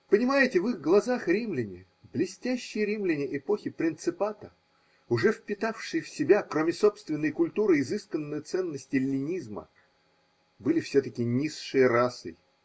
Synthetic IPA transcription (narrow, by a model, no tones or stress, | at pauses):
pənʲɪmajɪtʲɪvɨɣɡlˠɐzaxɾʲimlʲɪnʲɪ | blʲɪsʲtʲæɕːɪjəɾʲimlʲɪnʲɪʔɪpoxʲɪpɾʲɪnt̪sɨpat̪ə | ʊʐɛfpʲɪt̪afʂɨjəfsʲɪbʲakɾomʲɪso̞pst̪vʲɪnːəjkʊlʲt̪uɾɨːzɨskənːɨjt̪sɛnːəsʲtʲɪlʲːɪnʲizmə̰ | bɨlʲɪfsʲɵt̪əkʲɪnʲisʂɨjəɾasɨ̰